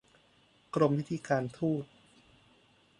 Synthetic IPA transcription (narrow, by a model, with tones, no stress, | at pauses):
kɾo˧mwi˦˥t̪ʰiː˧kaː˧nt̪ʰuː˥˩t̪̚